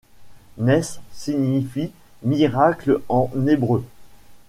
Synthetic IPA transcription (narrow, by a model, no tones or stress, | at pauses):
nɛsːiɲifi | miʁaklɑ̃nebʁø